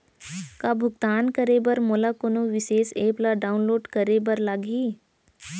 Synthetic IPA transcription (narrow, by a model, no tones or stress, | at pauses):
kabʱʊɡt̪aːnkɐɾebɐɾmoːlakonoʋɪʃeːseːplaɖaːʊnloːɖkɐɾebɐɾlaɡi